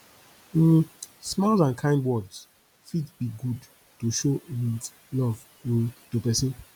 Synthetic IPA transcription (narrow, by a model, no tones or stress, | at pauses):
smalzãnkʰãɪ̃ndwɔds | fitbiɡud | tuʃoi | lɔv | ĩntupɛsĩn